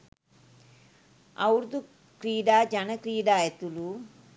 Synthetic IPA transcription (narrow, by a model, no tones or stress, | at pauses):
ɐ̰wɾd̪u | kɾiːɖaːd͡ʒɐnɐkɾiːɖaːjɐt̪ulu